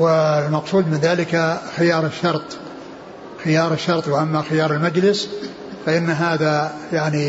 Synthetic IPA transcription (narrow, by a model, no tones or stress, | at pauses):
wɪlmɑqsˤuːd̪mɪnðaːlɪkaxɪjɑːɾˤɪʃːɑɾˤt̪ˤ | xɪjɑːɾˤɪʃːɑɾˤt̪ˤwɪʔamːaxɪjɑːɾˤɪlmad͡ʒlɪs | faʔɪnːɦaːðajaʕni